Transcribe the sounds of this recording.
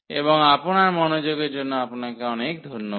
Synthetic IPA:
ḛbɔŋaponaɾmɔnod͡ʒoɡeɾd͡ʒonːoaponakeɔnekd̪ʱoɾno

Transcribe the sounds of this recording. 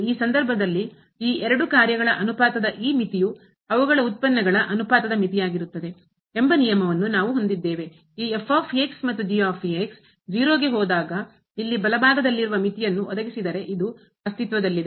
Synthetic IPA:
iːsɐnd̪ɐɾbʱɐd̪ɐlːi | iːɛɾɐɽukaːɾjɐɡɐɭɐʔɐnupaːt̪ɐd̪ɐʔiːmit̪iju | ɐʋuɡɐɭɐut̪̚pɐnːɐɡɐɭɐʔɐnupaːt̪ɐd̪ɐmit̪ijaːɡiɾut̪ːɐd̪e̞ | embɐnijɐmɐʋɐnːunaːʋuɦo̞nd̪id̪ːe̞ːʋe̞ | iːefʰaːpʰieːksmɐt̪ːud͡ʒiaːpʰieks | d͡ʒiːɾoːɡeɦɔːd̪aːɡɐ | ilːibɐlɐbaːɡ̪ɐd̪ɐlːiɾuʋɐmit̪ijɐnːuʔɔd̪ɐɡisid̪ɐɾe̞ʔid̪u | ɐst̪it̪ʋɐd̪ɐlːid̪e

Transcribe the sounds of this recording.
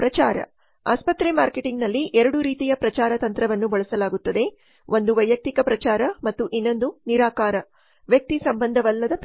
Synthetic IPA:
pɾɐt͡ʃaːɾɐ̰ | aːspɐt̪ɾemaːɾkeʈiŋɡnɐlːiʔɛɾɐɽuɾiːt̪ijɐpɾɐt͡ʃaːɾɐt̪ɐnt̪ɾɐʋɐnːubɐɭɐsɐlaːɡut̪ːɐd̪e̞ | ʔo̞nd̪uʋɐjɐk̚t̪ikɐpɾɐt͡ʃaːɾɐmɐt̪ːuʔinːo̞nd̪uniɾaːkaːɾɐ | ʋjɐk̚t̪isɐmbɐnd̪ʱɐʋɐlːɐd̪ɐp

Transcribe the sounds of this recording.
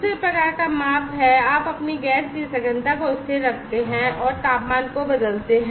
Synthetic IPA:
sepɾɐkaːɾkamaːpɦɛaːpɐpniɡɛːsbisɐɡə̃nd̪akoɪseɾɐkʰt̪eɦɛ̃ɔːɾt̪aːpmaːnkobɐd̪əlt̪eɦɛ̃

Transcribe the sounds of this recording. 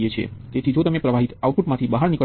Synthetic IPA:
et͡ʃʰḛt̪et̪ʰid͡ʒot̪əmepɾəʋaɦit̪auʈfuʈmãt̪ʰibəɦaɾnikə

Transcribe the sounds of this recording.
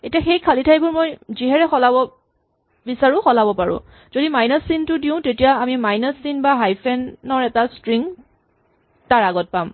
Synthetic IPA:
etiaxejkʰalitʰajbʊɹmojziɦɛɹɛxɔlabɔ | bisaɹʊ̃xɔlabɔpaɹʊ̰̃ | z̥odimajnasintʊdiʊ̃tetijaamimajnasinbaɦajpʰɛnːɔɹɛtastɹiŋ | taɹaɡɔt̚pam

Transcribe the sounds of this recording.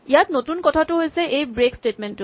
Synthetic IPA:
ijatnotunkɔtʰatuɦojseʔejbɹeksʈetmentu

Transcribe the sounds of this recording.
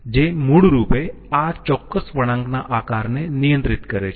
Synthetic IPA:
d͡ʒeːmʊɽɾuːpe | aːd͡ʒt͡ʃɔːkːəsʋɐɽ̃ə̃ŋɡnaʔaːkaːɾnenɪjə̃nt̪ɾɪt̪kɐɾet͡ʃʰ

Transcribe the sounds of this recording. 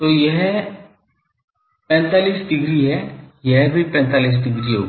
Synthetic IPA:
t̪oːjɛɦ | pɛ̃ːnt̪aːliːsɖɪɡɾiɦɛjɛɦbʱipɛ̃ːnt̪aːliːs̬ɖɪɡɾiɦo̰ːɡ

